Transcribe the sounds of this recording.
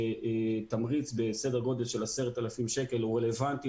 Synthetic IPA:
et̪amʁit͡sbe̞sede̞ʁɡo̞d̪e̞lʃe̞lase̞ʁet̪alafimʃeke̞luʁele̞vant̪i

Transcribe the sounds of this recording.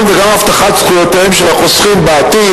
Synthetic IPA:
mveɡamhaft̪aχat̪sχujot̪aemʃeʁaχosχimbaːt̪i

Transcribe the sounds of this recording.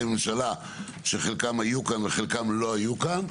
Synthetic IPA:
menʃala | ʃeχelkamajukanveχelkamlo̞ajukan

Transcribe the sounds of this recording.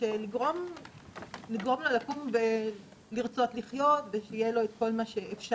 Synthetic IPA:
ʃeliɡʁom | liɡʁo̞mlolakumve | liʁt͡so̞t̪liχjo̞t̪veʃeijelo̞et̪ko̞lmaʃe̞ʔefʃa

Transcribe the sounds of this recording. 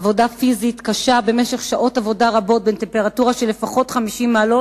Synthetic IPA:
vo̞dafizitkaʃabe̞meʃe̞χʃaʔo̞tavo̞daʁabo̞t̚bente̞mpe̞ʁatuʁaʃelefaχo̞tχamiʃimːalo

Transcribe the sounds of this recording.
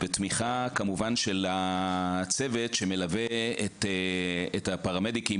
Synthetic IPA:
betmiχakamuvanʃela | t͡se̞ve̞tʃeme̞laveet | ethapaʁamediki

